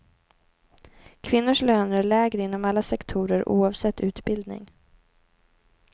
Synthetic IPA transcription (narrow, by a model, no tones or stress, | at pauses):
kʰvɪnːʊʂløːnæɭɛːɡɾəɪnːɔmalːasɛkt̪ʰuːɾəɾʔṵːɑvsɛt̪ʰːʉ̟ːt̪bɪld̪nɪ̰ŋ